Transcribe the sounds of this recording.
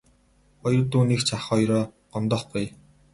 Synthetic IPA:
ɔjrt̪uːniːkt͡ɕʰaχɔjɾɔːɢ̥ɔnt̪ɔːχɡuj

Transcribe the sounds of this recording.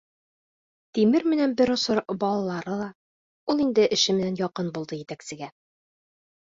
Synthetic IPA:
t̪imɘɾmɘ̆nænbɘɾŏsoɾbɒlˠɑlˠɑɾɤlˠɑ | ulˠind̪ɘʔɘ̆ʃɘmɘ̆nænjɒqɤnbulˠd̪ɤjɘ̆t̪æksɘ̆ɡæ

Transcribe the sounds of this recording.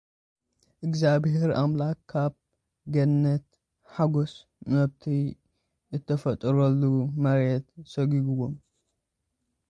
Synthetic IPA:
ʔɨɡzabheɾa̰mlakʰːab | ɡɐnnːɐt̪ | ħaɡos | mɐβt̪ʰi | ɨt̪ʰːɐfɐt̪ʼɨɾɐlːumɐɾet̪sɐɡiɡuwom

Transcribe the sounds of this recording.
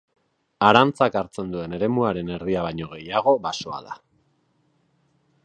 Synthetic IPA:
aɾant͡sakaɾt͡se̞nd̪ue̞ne̞ɾe̞muaɾe̞ne̞rðiaβajɲo̞ɣe̞jaɣ̞o̞baso̞a̰ða̰

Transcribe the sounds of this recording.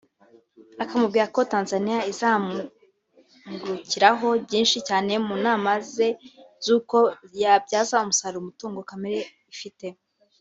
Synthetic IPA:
akamub̚ɡiːɾako̞taːnzanijaizam | ɡuɾuciɾaɦo̞bɟiːnʃicaːne̞munaːmaze̞zuːko̞jab̚ɟaːzaumusaɾiɾumutuːŋɡokameɾe̞ | ifite̞

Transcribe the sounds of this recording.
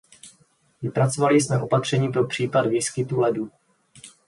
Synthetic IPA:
vɪpɾat͡so̞valɪs̬mɛʔo̞pat̪r̝̥ɛɲiːpɾo̞pr̝̥iːpadviːskɪt̪ulɛdu

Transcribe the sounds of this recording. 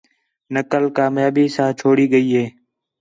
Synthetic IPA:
nəkəlkaːmjaːbiːsãːt͡ʃʰoːɽiːɠəiːɦeː

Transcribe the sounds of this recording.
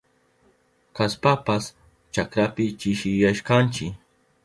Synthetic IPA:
kaspapas | t͡ʃakɾapɪt͡ʃɪʃɪjaʃkant͡ʃɪk

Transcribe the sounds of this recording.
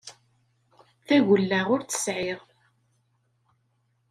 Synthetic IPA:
θæʝəlːaʁʊɾθə̥sʕɪʁ

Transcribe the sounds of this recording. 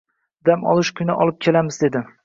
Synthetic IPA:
d̪amɒ̰lˠɪʃkʰʊnɪʔɒlˠɪp̚kʲʰe̞lamɪzd̪e̞d̪ɪ

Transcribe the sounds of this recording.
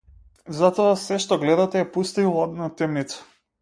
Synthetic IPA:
zat̪ɔasɛʃt̪ɔɡlɛd̪at̪ɛɛpust̪ivɔd̪nat̪ɛmnit̪sḁ

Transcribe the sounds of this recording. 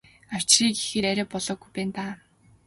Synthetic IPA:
aw̥t͡ɕriːkixɘ̆ɾæɾʲæːpɔɮɔːɡujpæːnt̪aː

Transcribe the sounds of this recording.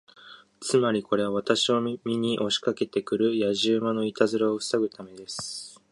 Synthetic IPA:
t͡sɨmaɾʲiko̞ɾe̞β̞aβat̪aɕio̞mʲiɲ̟iʔo̞ɕi̥kake̞t̪e̞kɯ̟ɾɯ̟jaʑɨːmano̞it̪azɨɾaoɸɯ̥saɡɯ̟t̪ame̞d̪e̞sɨ̥

